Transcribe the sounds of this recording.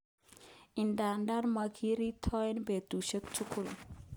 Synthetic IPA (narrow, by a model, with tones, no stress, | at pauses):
i˨nda˨nda˦ɾma˨kʰi˦ɾi˦tʰɔ˦ɛnbe˨tu˨ʃə˦k̚tʰu˦kʰu˨l